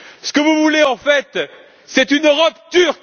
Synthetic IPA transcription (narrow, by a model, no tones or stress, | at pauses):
sə̥kəvuvuleɑ̃fɛt̪ | sɛt̪ynøʁɔpt̪yʁk